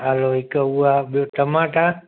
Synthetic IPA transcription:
aloikəuaɓjot̪əmãʈã

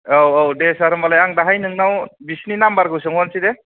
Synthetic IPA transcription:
owowdesaɾɯmalajaŋdaɦajnɯŋnawbisninambaɾɡɯs̬ɯŋɦɔnsid̪e

